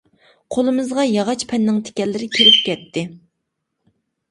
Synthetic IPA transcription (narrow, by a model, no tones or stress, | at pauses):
qʰolˠɨmɨzʁɑjɑʁɑt͡ʃpʰɛnːɪŋt̪ʰe̥kʲɛlːɪɾɪkʲʰeɾɪp̚kʲɛt̪ʰːɪ